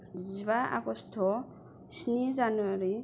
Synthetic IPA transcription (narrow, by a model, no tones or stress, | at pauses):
ziβaʔa̰ɡɔstʰɔ | sinizanuwaɾi